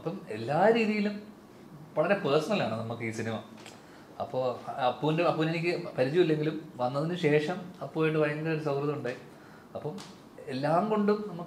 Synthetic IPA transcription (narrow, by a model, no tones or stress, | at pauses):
ɐpːɐme̞lːaːɾiːðijilum | ʋɐɭɐɾe̞peːrsɐnɐlaːɳɨnɐmːukːɨiːsinimɐ | ɐ̰pːo̞ːɐpːoːindeɐpːoːne̞nikʲːɨpɐɾit͡ɕːuʋilːe̞ŋɡilumʋɐnːɐðinɨɕe̞ːʂɐmɐpːoːjiɳʈːɨʋɐjɐŋːɐɡɐoɾusɐwrɐðɐmuɳɖaːi | ɐpːɐm | e̞lːaːmɡo̞ɳɖumnɐmːukː